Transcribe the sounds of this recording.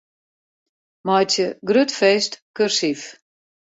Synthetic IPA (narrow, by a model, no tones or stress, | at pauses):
mɔjtjəɡrøtfeːstkørsif